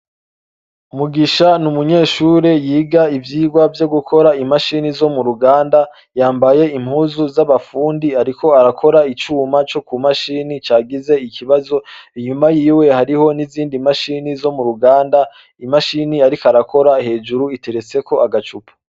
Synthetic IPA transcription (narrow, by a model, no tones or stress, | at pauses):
umuɡiʃanumuɲe̞ːʃuːɾejiːɡaivjiːɡwavjo̞ɡukʰo̞ɾaimaʃiːnizo̞muɾuɡaːnda | jaːmbaje̞imhuːzuzaβafuːndiaɾikʰo̞aɾakʰo̞ɾait͡ʃuːmat͡ʃo̞kumaʃiːnit͡ʃaːɡize̞ikʰiβazo̞iɲumajiːwe̞haɾiho̞niziːndimaʃinizo̞muɾuɡaːnda | imaʃiniaɾikoaɾakʰo̞ɾahe̞ːd͡ʒuɾuite̞ɾet͡se̞ko̞aɡat͡ʃupʰu̥